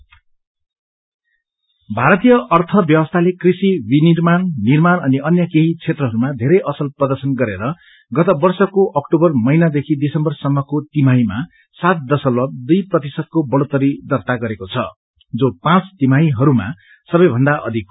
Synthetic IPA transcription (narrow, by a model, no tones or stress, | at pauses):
bʱaɾʌt̪ijʌʔʌrt̪ʰʌbjʌbʌst̪ʰalekrisibinirmannirmanʌniʌnjʌkeɦit͡sʰet̪rʌɦʌɾumad̪ʱeɾʌjʔʌsʌlprʌd̪ʌrsʌnɡʌɾeɾʌ | ɡʌt̪ʌbʌrsʌkoʔʌkʈobʌrmʌjnad̪ekʰidisʌmbʌrsʌmːʌkot̪imajma | sat̪̚d̪ʌsʌllʌb̚d̪ujprʌt̪isʌd̪̚kobʌɽot̪ʌɾid̪ʌrt̪aɡʌɾekot͡sʰʌ̰ | d͡zopãt͡st̪imajɦʌɾuma̰ | sʌbʌjbʱʌnd̪aʔʌ̰d̪ʱik̚